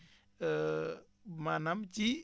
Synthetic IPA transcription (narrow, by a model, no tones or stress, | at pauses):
manamt͡ʃi